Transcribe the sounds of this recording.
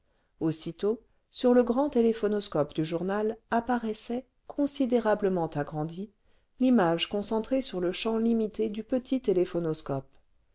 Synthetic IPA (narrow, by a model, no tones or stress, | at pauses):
osit̪o | syʁləɡʁɑ̃t̪elefɔnɔskɔpd̪yʒuʁnalapaʁɛsɛ | kʰɔ̃sid̪eʁabləmɑ̃t̪aɡʁɑ̃d̪i | limaʒkɔ̃sɑ̃t̪χesyʁləʃɑ̃limit̪ed̪ypət̪ʰit̪elefɔnɔskɔp